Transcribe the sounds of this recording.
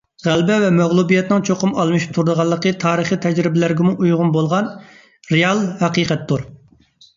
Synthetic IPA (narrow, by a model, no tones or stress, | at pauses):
ʁælbɛvɛmɛʁlˠubijɛt̪nɨŋt͡ʃʰoqʊmɑlˠmɨʃi̥p̚t̪ʰuɾd̪əʁɑlˠːəqət̪ʰɑːɾəχit̪ʰɛd͡ʒɾɪbɪlæɾɡʲɛmuʔujʁʊnbolˠʁɑn | ɾeɑlˠhɛqiqʰɛt̪ːuɾ